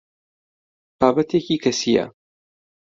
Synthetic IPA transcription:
b̥aːbɐt̪ʰeciːkʰɐsijɐ̰

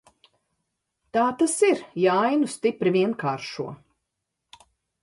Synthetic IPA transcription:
t̪aːt̪asiɾjaajnust̪ipɾivʲiɛnkaːɾʃuɔ

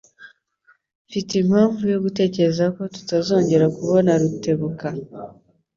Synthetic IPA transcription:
fitimaːɱvujo̞ɡute̞ːce̞ɾzako̞tu̥tazo̞ːɲɟe̞ɾakuβo̞naɾute̞βuka

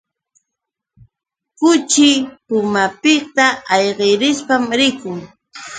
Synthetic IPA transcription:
kʊt͡ʃɪpʊmapɪkt̪aɑjɢeɾɪspamɾɪkʊŋ

